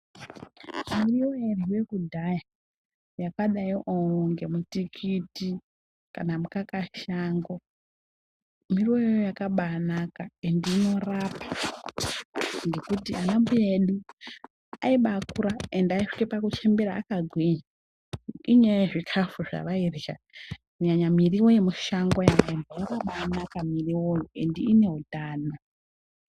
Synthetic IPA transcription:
arioeriwe̞kudʱaja | jakaɗaiʔooŋɡe̞mutikʰiti | kanamukakaʃaːŋɡo̞ | mirojojakaɓanakaendino̞rapa | ŋɡe̞kutianambujeɗu | aiɓakuɾaendaiʂi̥kepakut͡ʃe̞mbeɾaːkaɡʱwiɲa | iɲejeʐikʰafuʐa̰ʋairiʃa̰ | uɲaɲamiriwojemuʃaŋɡojakaembajakaɓaːnakamiriwojoendiːne̞ɦudʱaːna

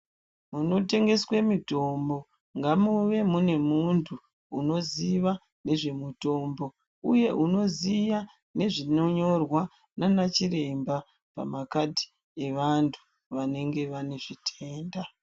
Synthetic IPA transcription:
muno̞te̞ŋɡe̞swe̞mito̞mbo̞ | ŋɡamuʋe̞mune̞muntʰu | uno̞ziʋa | ne̞ʐe̞muto̞mbo̞ | uje̞ʔuno̞zija | ne̞ʐino̞ɲo̞rwa | nanat͡ʃiɾe̞mba | pa̰makadʱi̥ | e̞ʋantʰu̥ | ʋane̞ŋɡe̞ʋane̞ʐitʰe̞ːnda

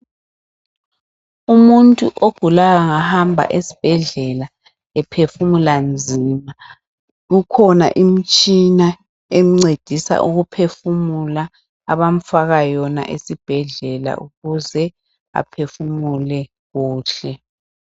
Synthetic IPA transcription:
umuntʼuʔoɡ̥ʱulaɣaŋahambʱa̰ʔesi̥b̥ʱɛɮɛla | ɛpʰefumuland͡zʱima | ɣukʰɔna̰ʔim̩t͡ʃʼina | em̩ŋ͡ǀed̥ʱisa̰ʔuɣupʰefumulaː | βam̩faɣajɔna̰ʔesib̥ʱɛɮɛla̰ʔuɣuzɛ | a̰pʰefumulɛ | ɣuːɬɛ

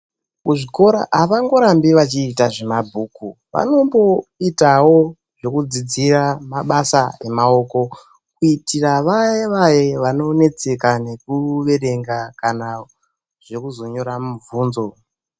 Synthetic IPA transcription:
kuʐiko̞ɾa̰aʋaŋɡo̞ɾambiʋat͡ʃiːtaʐe̞mabʱuːku | ʋa̰no̞mbo̞itawo̞ | ʐo̞kud͡zid͡ziramaɓasaemao̞ko̞ | kuitiraʋajeʋajeʋano̞ne̞t͡se̞kane̞kuʋe̞ɾe̞ŋɡakana | ʐ̥e̞kuzo̞ɲo̞ɾamuvuːnzo̞

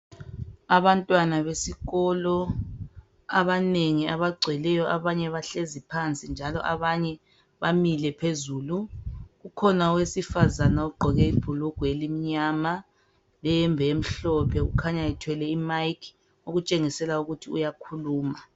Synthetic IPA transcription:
aβantʼwanaβesiɣɔlɔ | aβaneŋiaβaɡ͡ǀʱɛlɛjɔʔaβaɲɛβaɬezipʰant͡sʼind͡ʒʱalɔ̰ʔaβaɲɛ | βamilɛpʰezuːluɣukʰɔnawesifazanauɡ͡ǃʱɔɣɛib̥ʱuluɡ̥ʱwelimiɲama | lɛjɛmbʱɛem̩ɬɔpʰɛɣṵkʰaɲaitʰwɛlɛimajkʰ | uɣut͡ʃʼeŋisɛlauɣutʰiujakʰuluːma

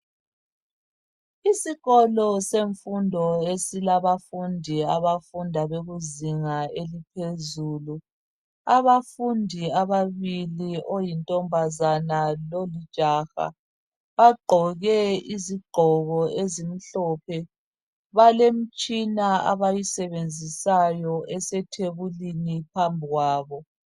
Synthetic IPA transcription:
isiɣɔlɔseɱfundʱɔesilaβafundʱiaβafundʱaβeɣuziŋaelipʰezuːlu | aβafundʱiaβaβiliʔojintʼɔmbʱazanalolid̥ʒ̥ʱaxa̰ | βaɡ͡ǃʱɔɣɛiziɡ͡ǃʱɔɣɔezim̩ɬɔːpʰɛ | βalem̩t͡ʃʼinaa̰βajisɛβend͡zʱisajɔɛsɛtʰeβulinipʰambʱiɣwaːβɔ

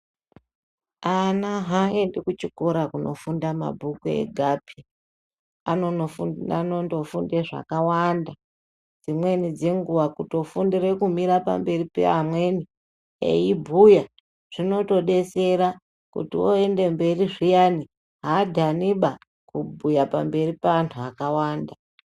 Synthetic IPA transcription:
anaɦae̞ndekut͡ʃikoɾakuno̞̰fundama̰bʱukuḛɡʱapi | anooanondo̞fundeʐa̰kawanda | d͡zimwe̞nid͡ze̞ŋɡuwakuto̞fundire̞kumiɾapa̰mbe̞ripḛamwe̞ni | ḛjibʱuja | ʐ̥ino̞to̞ɗe̞se̞ɾa | kṵtiwoe̞nde̞mbe̞riʐijani | ɦadʱaniɓa | kubʱujapa̰mbe̞ripaantʰuakawaːnda

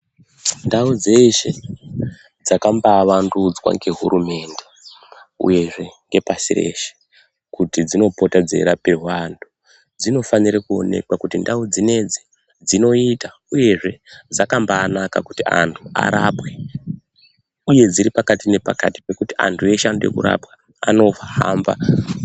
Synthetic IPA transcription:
ndaud͡ze̞ʃe̞ | d͡zakambaʋandud͡zwa̰ŋɡe̞ɦuɾume̞ːnde̞ | ṵje̞ʐe̞ŋɡe̞pasirḛʃe̥ | kutid͡zino̞po̞tad͡ze̞̰ɾapeɦwandu | d͡zino̞faniɾakuo̞̰ne̞̰kwakutindaud͡zine̞d͡zi | d͡zino̞ita | uje̞ʐe̞d͡zakambaːnaka̰kutia̰ntʰua̰ɾapwe | uje̞d͡ziɾipakatine̞pakati̥pe̞kutia̰ntʰue̞ʃande̞̰kṵɾa̰pwa | a̰no̞fha̰mba̰

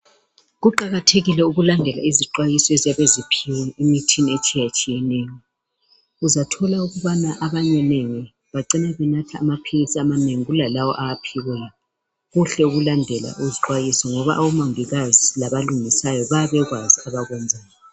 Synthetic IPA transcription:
ɣuǃaɣatʰeɣilɛuɣulandʱɛla̰iziǃwajisɔɛzaβezipʰiwɛimitʰiniet͡ʃʼijat͡ʃʼijɛnɛːjɔ | uzatʰɔlauɣuβanaʔaβaɲɛneŋi | βaǀinɛβɛnatʰaːmapʰiɣisiamaneŋiɣulalawɔ̰ʔaapʰiɣɛ | ɣuɬɛuɣulandʱɛla̰ʔuziǃwajisɔŋɔβa̰ʔawumaŋiɣazilaβaluŋisajɔβaβɛɣwaziaβaɣwɛnd͡zʱaːjɔ

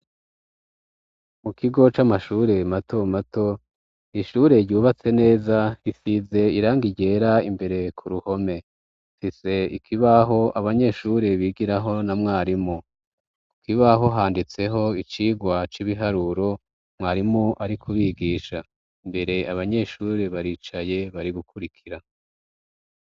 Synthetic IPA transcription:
mukiɡo̞t͡ʃamaʃuːɾe̞matomato̞ | iʃuːɾe̞ɾɟuːβat͡se̞ne̞ːzaɾisize̞iɾaːŋɡiɟe̞ːɾaimbe̞ɾe̞kʰuɾuho̞me̞ | fise̞ḭkʰiβaɦo̞aβaɲe̞ːʃuːɾe̞βiːɡiɾaɦo̞namŋaːɾimu | ikiβaɦo̞ɦaːndit͡se̞ɦo̞it͡ʃiːɡwat͡ʃiβiɦaɾuɾo̞ | mŋaːɾimuʔaɾikʰuβiɡiːʃa | imbe̞ɾe̞aβaɲe̞ʃuːɾe̞βaɾiːt͡ʃaje̞βaɾiɡukʰuɾikʰiɾa

